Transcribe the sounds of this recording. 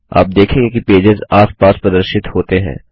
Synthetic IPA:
a̰ːp̚d̪eːkʰẽːŋɡekipeːd͡ʒɪzaːspaːspɾɐd̪əɾʃɪt̪hoːt̪eɦɛ̰̃ː

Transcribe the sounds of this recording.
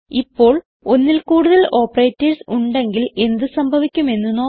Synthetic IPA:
ipːo̞ːɭ | o̞nːilkuːɽuðɐɭo̞ːpːɐreːtːɐrsuɳɖe̞ŋɡile̞nd̪ɨsɐmbʱɐʋikʲːume̞nːunːoː

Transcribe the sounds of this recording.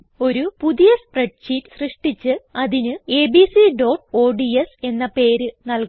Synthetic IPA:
o̞ɾupuðijɐsprɐʈ̚ɕiːtːsrɨʂʈit͡ɕːɨɐðinɨeːbisiɖoːʈo̞ːɖiese̞nːɐpe̞ːɾɨnɐlk

